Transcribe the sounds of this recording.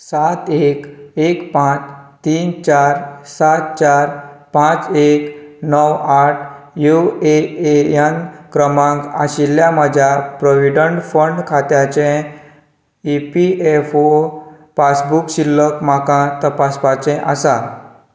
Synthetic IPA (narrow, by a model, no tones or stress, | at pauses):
sat̪ekekpãt͡st̪iːnt͡ɕaɾsat̪̚t͡ɕaɾpãt͡seknəwaʈ̚ʰjueejankɾəmãŋkaɕilːjamad͡ʑʱjapɾoʋiɖəɳʈfəɳɖkʰat̪jat͡ɕɛ̃ | ipiefo | pasbukɕilːəkmakãt̪əpaspat͡ɕɛ̃ʔasa